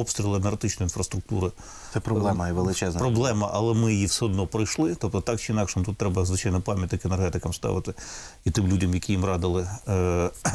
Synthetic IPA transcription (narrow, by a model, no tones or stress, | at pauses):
ɔpst̪ɾʲilˠɪnerɐt̪ɪt͡ʃnɔjinfɾɐst̪ɾʊk̚t̪uɾɪ | sɛpɾɔblˠɛmɐʋelˠɪt͡ʃɛzpɾɔblˠɛmɐʔɐlˠɛmɪjɪjiwsɛɔd̪nɔpɾɪjʃlˠɪt̪ɔp̚t̪ɔt̪ɑk̚t͡ʃɪinɑkʂmut̪ut̪ːɾɛbɐzʋɪt͡ʃɑjnɔpɑmʲjɐt̪ɪkɛnerɦɛt̪ɪkɐmst̪ɑ̰ʋɪt̪ɪ | it̪ɪmlʲudʲɐmjɐkʲijimrɑd̪ɪlˠɪ